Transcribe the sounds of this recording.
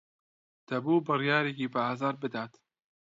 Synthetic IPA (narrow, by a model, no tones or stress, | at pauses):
d̪̥ɐbuːbɨrjɑːɾeːkiːbɨaːzaːɾbɨd̪aːt̪